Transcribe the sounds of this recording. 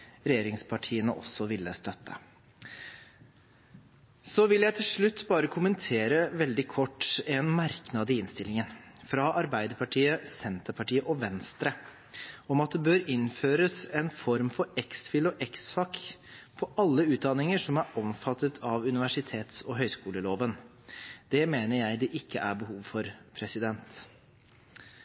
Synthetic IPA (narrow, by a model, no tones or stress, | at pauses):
ɾɛjeːɾɪŋspʰɑʈʰiːənəʔɔ̰sːɔʋɪlːəst̪œt̪ːə̰ | sɔʋɪljæɪt̪ʰɪlʂɭʉt̪ːbɑːɾəkʰʊmənt̪ʰeːɾəʋɛld̪ɪkʰɔʈːɛnmæɾknɑd̪ɪɪnst̪ɪlːɪŋənfɾɑʔɑɾbæɪd̪əɾpʰɑʈʰiːəsɛnt̪əɾpɑʈiːəʔɔʋɛnst̪ɾə | ɔmɑt̪̚d̪ɛbøːɾɪnføːɾəsɛnfɔɾmfɔɾɛksfɪlɔʔɛksfɑkːpʰɔʔɑlːəʉːt̪̚d̪ɑnɪŋəʂɔmæɾɔmfɑt̪ːət̪ʰɑʋʉnɪʋæʂɪt̪ʰeːt̪sɔɦœʏskuːləloːʋən | d̪̥ɛmeːnəɾjæɪd̪ɛʔɪkːəʔæɾbəhuːʋfɔɾpʰɾɛsɪd̪ɛnt̪